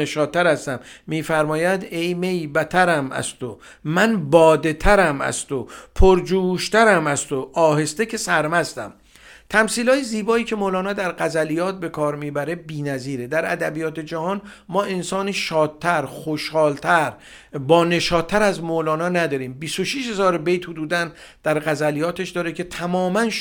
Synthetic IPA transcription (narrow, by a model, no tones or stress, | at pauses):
eʃɒːd̪̚ʰːæɾæst̪æmːiːfæɾmɒːjæd̪ejmejbæt̪ʰæɾæmæ̰st̪o | mænbɒːd̪e̞t̪ʰæɾæmæ̰st̪opʰoɾd͡ʒuːʃt̪æɾæmæst̪oʔɒːɦe̞st̪ekʰe̞sæɾmæst̪æ̰m | t̪ʰæmsiːlɒːjeziːbɒːiːcʰe̞moːlɒːnɒːd̪æɾɢæzælijɒːt̪̚be̞kʰɒːɾmiːbæɾe̞biːnæziːɾed̪æɾæ̰d̪æbijɒːt̪ʰe̞d͡ʒæhɒːn | mɒːʔe̞nsɒːniʃɒːt̪̚t̪ʰːæɾχoʃhɒːlt̪ʰæɾ | bɒːne̞ʃɒːt̪ʰːæɾæzmolɒːnɒːnæd̪ɒːɾiːmbisoʃiːʃhe̞zɒːɾbejt̪hod̪uːd̪æn | d̪̥æɾɣæzælijɒːt̪ʰe̞ʃd̪ɒːɾecʰe̞t̪ʰæmɒːmæn